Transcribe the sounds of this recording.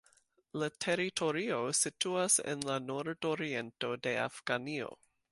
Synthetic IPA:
latʰe̞ɾitʰo̞ɾio̞situasḛnlanoɾdoɾie̞nto̞de̞a̰fɡ̥anio̞̰

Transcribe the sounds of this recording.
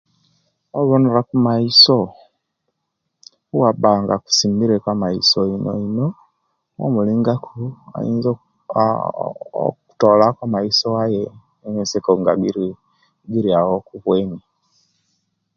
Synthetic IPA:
oβonuɾakumaiso | wabaːŋɡaku̥simbiɾekamaisoino̰ino | wo̰muliːŋɡakʰua̰ḭːnzo | ku̥tolakwamaisoaje | minsekoŋɡa̰ɡiɾi | ɡiɾiawokuβweːni

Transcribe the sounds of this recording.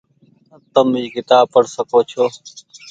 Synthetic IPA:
ət̪əmiːkɪt̪aːpəɽsəkoːt͡ʃʰoː

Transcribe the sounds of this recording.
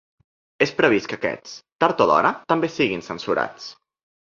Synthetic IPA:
espɾəβiskəkɛ̰t͡st̪aɾt̪oðɔ̰ɾət̪əmbesiɣinsənsuɾa̰t͡s

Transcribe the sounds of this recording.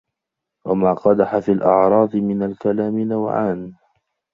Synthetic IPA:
wamaːqɑd̪aħafiːlʔɑ̰ʕɾˤɑːd̪ˤɨmɪnalkalaːmɪnawʕa̰ːn

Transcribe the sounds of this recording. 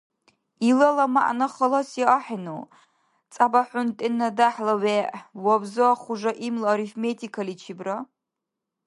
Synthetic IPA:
ilɐlɐma̰ʔnɐχɐlɐsiʔaħinuw | t͡sʼabɐħʷʊntʼɪnːɐdaħlɐweːʔwɐbzɨχʷʊʒɐʔimlɐɾifmetʰikʰɐlit͡ʃʰibrɐ

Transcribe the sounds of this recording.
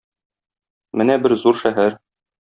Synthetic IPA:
mɘnæbɘɾzuɾʃæɦæɾ

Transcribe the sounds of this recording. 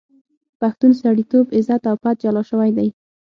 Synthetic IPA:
paxt̪unsaɽit̪obɪzat̪awpat̪̚d͡ʒalɑʃəwajd̪aj

